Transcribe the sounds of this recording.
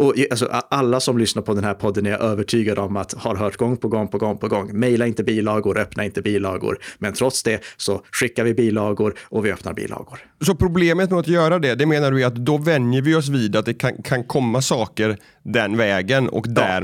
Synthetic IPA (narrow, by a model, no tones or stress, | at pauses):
ɔals̬ɔ̰ʔaalːasɔmlʏsnaɾpʰɔd̪ɛnhæɾpʰɔd̪ːənæɾʔøːvəʈʰyːɡad̪əɔmat̪haɾɦœːʈɡɔŋːpʰɔɡɔŋːpʰɔɡɔŋːpʰɔɡɔŋːmɛjlaɾɪnt̪əbiːlɑːɡʊɾœpnaɪnt̪əbiːlːɑːɡʊ̰ɾmɛnt̪ʰɾɔt̪sd̪ɛsɔɧɪkːaɾvɪbiːlɑːɡʊɾɔvɪœpna̰ɾbḭːlɑ̰ːɡʊɾ | sɔpʰɾʊbleːmət̪mɛat̪jœːɾad̪ɛd̪ɛmeːnaɖɵvɪat̪d̪ɔvɛnjəɾvɪɔs̬viːd̪at̪̚d̪ɛkʰankʰankʰɔmːasɑːkəɾ | d̪ɛnvɛːɡənɔ̰kd̪æ